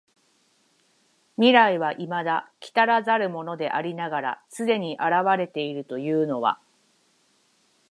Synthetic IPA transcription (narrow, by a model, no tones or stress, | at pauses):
mʲiɾaiβaʔimad̪akʲi̥t̪aɾazaɾɯ̟mo̞no̞d̪e̞ʔaɾʲinaɡaɾa̰sɨd̪e̞ɲ̟iʔaɾaβaɾe̞t̪e̞iɾɯ̟t̪o̞jɯ̟ːno̞βa̰